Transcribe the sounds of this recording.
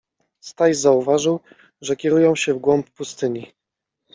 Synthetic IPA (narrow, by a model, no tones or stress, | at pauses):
st̪ajzauvaʐɘw | ʐɛkʲɛɾujɔ̃w̃ɕɛvɡwɔmppust̪ɘɲi